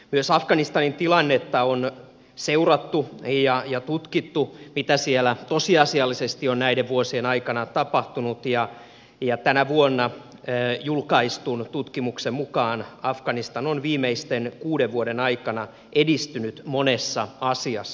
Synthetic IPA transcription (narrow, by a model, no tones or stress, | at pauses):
myøsɑfɡ̥ɑnist̪ɑnint̪ilɑnːet̪ːɑon | seurɑt̪ːujɑjɑt̪ut̪kit̪ːumit̪æsielæt̪osiɑsiɑlːisest̪ionnæideʋʋuosienɑikɑnɑt̪ɑpɑht̪unut̪jɑ | jɑt̪ænæʋuonːɑ | julkɑist̪unt̪ut̪kimuksemmukɑːnɑfɡ̥ɑnist̪ɑnonʋiːmeist̪enkuːdeʋʋuoɾenɑikɑnɑ | ʔedist̪ynyt̪monesːɑɑsiɑsː